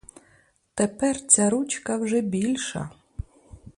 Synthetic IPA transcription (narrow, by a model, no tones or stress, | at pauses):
t̪epɛrt͡sʲaɾut͡ʃkɐwʒɛbʲilʲʃɐ̰